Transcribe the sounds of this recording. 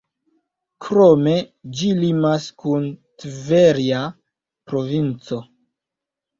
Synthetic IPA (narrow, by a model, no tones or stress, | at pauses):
kɾo̞me̞d͡ʒilimaskuntveɾia | pɾo̞vint͡so̞